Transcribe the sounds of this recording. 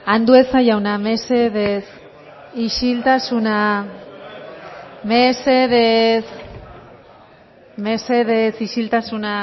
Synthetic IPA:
and̪ue̞sajawnameseðes | iʃilt̪asuna | meseðes | meseðesiʃilt̪asuna

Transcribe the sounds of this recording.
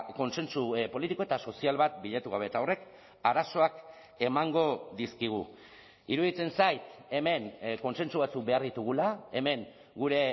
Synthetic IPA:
ko̞nse̞nsupo̞lit̪ikoe̞t̪aso̞sialβat̪̚biʎat̪uɣ̞aβ̞e̞ːt̪ao̞re̞k | aɾaso̞ak | e̞maŋɡo̞ðiskiɣ̞u | iɾuðit͡se̞nsajt̪e̞me̞ŋko̞nse̞nsuβat͡suk̚be̞aɾðit̪uɣ̞ulae̞me̞ŋ | ɡuɾe̞

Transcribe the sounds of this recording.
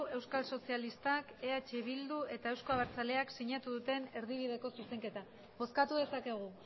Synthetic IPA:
e̞wskalso̞sialist̪ake̞at͡ʃe̞β̞ild̪ue̞t̪ae̞wsko̞aβaɾt͡sale̞aksiɲat̪uðut̪e̞ne̞ɾð̞iβ̞iðe̞ko̞sise̞ŋke̞t̪a | bo̞skat̪uðe̞sake̞ɣ̞u

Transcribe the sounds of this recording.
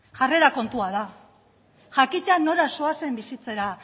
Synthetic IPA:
ʝare̞ɾako̞nt̪uað̞a | ʝakit̪eano̞ɾasoase̞mbisit͡se̞ɾa

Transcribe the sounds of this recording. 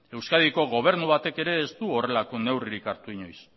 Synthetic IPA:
e̞wskað̞iko̞ɣo̞β̞e̞ɾnuβat̪e̞ke̞ɾe̞ːst̪uo̞re̞lako̞ne̞wriɾikaɾt̪uiɲo̞js

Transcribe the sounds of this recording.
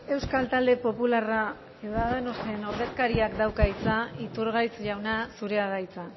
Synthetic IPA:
e̞wskalt̪ald̪e̞po̞pulara | eðaðenost̪e̞no̞ɾðe̞skaɾiakd̪awkait͡sait̪uɾɣajt͡sʎawnasuɾe̞aðajt͡sa

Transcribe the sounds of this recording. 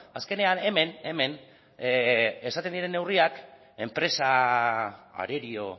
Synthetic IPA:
aske̞ne̞ane̞me̞ne̞me̞n | esat̪ed̪iɾe̞nːe̞wriak | e̞mpɾe̞sa | a̰ɾe̞ɾio̞

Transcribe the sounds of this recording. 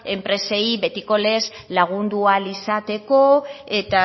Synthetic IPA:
e̞mpɾe̞se̞jβe̞t̪iko̞le̞z | laɣ̞und̪ualisat̪e̞ko̞e̞t̪a

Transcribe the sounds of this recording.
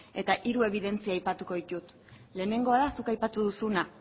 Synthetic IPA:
e̞t̪aʔiɾue̞β̞iðe̞nt͡siaːjpat̪uko̞ðit̪ut̪ | le̞ːne̞ŋɡo̞aðasukajpat̪uðusuna

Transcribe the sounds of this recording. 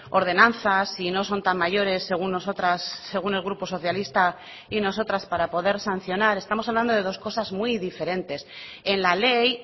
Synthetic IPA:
o̞ɾð̞e̞nãnθasino̞so̞nt̪amːaʝo̞ɾe̞sːe̞ɣ̞unːosot̪ɾasːe̞ɣune̞lɣɾuposo̞θjalist̪a | ino̞s̬o̞t̪ɾaspaɾapo̞ðe̞ɾsan̟θjo̞naɾe̞st̪amosaβland̪o̞ðe̞ðo̞sko̞sazmwiðife̞ɾe̞nt̪e̞s | e̞nlale̞j

